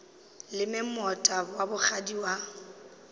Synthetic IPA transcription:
lɪmɪmɔtʼabwabʊχʰadiwa

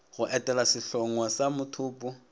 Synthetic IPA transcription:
ɣʊʔɛtʼɛlasɪɬɔŋwasamʊtʰʊːpʼʊ

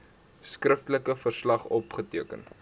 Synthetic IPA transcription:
skrəftələkəfərslɐχɔpχətiəkə̰n

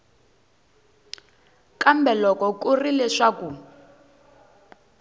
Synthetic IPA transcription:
kʼambɛlɔkɔkurilɛʂaku

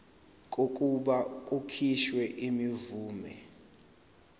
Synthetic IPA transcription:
kʼokʼuɓakʼukʰiʃwɛʔimivuːmɛ

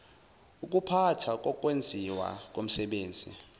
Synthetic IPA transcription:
uk̬ʼupʰatʰak̬ʼɔk̬ʼwend͡zʱiwa̰k̬ʼom̩sɛɓeːnd͡zʱḭ

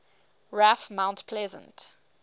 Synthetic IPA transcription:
ɹafmãʊ̃ntpʰlɛzə̰̃nt

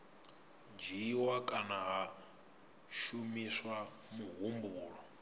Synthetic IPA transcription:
d͡ʒiwakʼanaɦa | ʃumiswa | muɦumbuːɺɔ

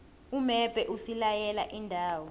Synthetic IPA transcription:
umɛb̥ʱɛʔusilajɛlaʔindʱaːwɔ

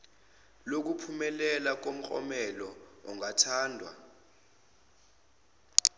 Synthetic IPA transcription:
lok̬upʰumɛlɛlak̬om̩k͡xʼɔ̰mɛlɔɔŋatʰaːndʱwa̰

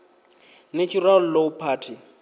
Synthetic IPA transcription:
nat͡ʃʼural̩lopʰaːtʰi

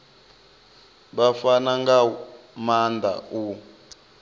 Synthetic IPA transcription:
ɓafanaŋɡa | mand̪ʱa̰u

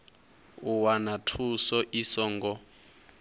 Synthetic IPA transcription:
uwanatʰusɔʔisɔːŋɡɔ

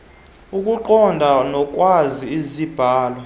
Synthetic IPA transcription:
ukʼuǃɔndʱanɔkʼwaziizib̥ʱaːlwɔ

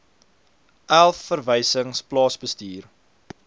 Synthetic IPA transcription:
ʔælˠfːərvəjsəŋsplɑːsbəstiːr

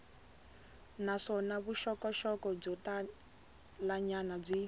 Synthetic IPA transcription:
naʂɔnaβuʃɔkɔʃɔkɔb͡ʐɔta | laɲanab͡ʐi

